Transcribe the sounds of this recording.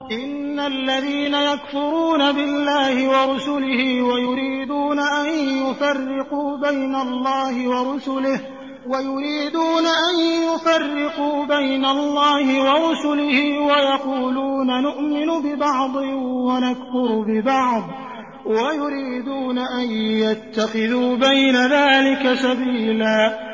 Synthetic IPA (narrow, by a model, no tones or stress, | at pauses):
ʔɪnːalːaðiːnajakfʊɾuːnabɪlːaːhɪwɑɾˤʊsʊlɪhɪwajʊɾiːd̪uːnaʔanjʊfarːɪquːbajnalːɑːhɪwɑɾʊsʊlɪh | wajʊɾiːd̪uːnaʔanjʊfarːɪquːbajnalːɑːhɪwɑɾʊsʊlɪhɪwajɑquːluːnanʊʔmɪnʊbɪbɑʕd̪ˤɨwanakfʊɾbɪbɑʕd̪ˤ | wajʊɾiːd̪uːnaʔanjat̪ːaxɪðuːbajnaðaːlɪkasabiːlaː